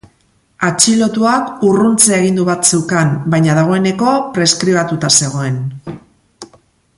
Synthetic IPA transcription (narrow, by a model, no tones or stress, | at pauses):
at͡ʃilo̞t̪uakurunt͡seaeɣ̞ind̪uβat̪sewkambajɲað̞aɣ̞o̞e̞ne̞ko̞pɾe̞skɾiβat̪ut̪ase̞ɣ̞o̞e̞n